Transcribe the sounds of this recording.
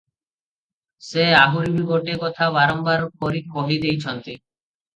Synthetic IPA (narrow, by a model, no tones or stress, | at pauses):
seaɦuɾibiboʈekɔt̪ʰaβaɾɔmbaɾpoɾioɦid̪ejt͡ɕʰɔnt̪i